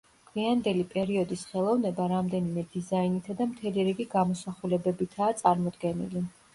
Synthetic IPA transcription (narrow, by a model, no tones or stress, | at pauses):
ɡ̥ʰviand̪ɛlipʼɛɾiɔd̪isχɛlˠɔvnɛbaɾamd̪ɛnimɛd̪izainit̪ʰad̪amt̪ʰɛliɾiɡiɡamɔsaχulɛbɛbit̪ʰaːt̪sʼaɾmɔd̪ɡɛnḭli